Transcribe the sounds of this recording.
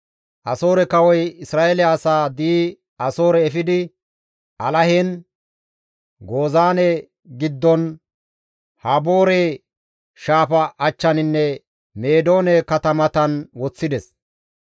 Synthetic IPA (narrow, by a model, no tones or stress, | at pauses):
ʔɐso̞ːɾɛkɐwɔjɪsɾaːʔɛlɛɐsaːd̪iː | ɐso̞ːɾɛːfɪd̪ɪ | ʔɐlɐhɛn | ɡo̞ːzaːnɛ | ɡɪd̪ːɔn | hɐbo̞ːɾe | ʃaːfɐʔːt͡ʃːɐnɪnːɛ | me̞ːd̪o̞ːnɛkɐt̪ɐmɐt̪ɐnwɔt͡sːɪd̪ɛs